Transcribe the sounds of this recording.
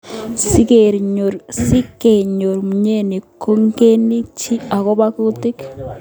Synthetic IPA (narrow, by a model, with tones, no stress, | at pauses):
si˦keɾɲo˨ɾsi˦ke˨ɲo˨ɾmu˨ɲe˦ni˨ko˦ŋke˦ni˦t͡ʃi˦a˨ɣo˦βa˦ku˦u˦ti˦k